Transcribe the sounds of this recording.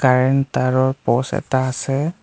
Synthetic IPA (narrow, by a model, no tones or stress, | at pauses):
kaɹɛntaɹɔɹpɔsɛ̰taːsɛ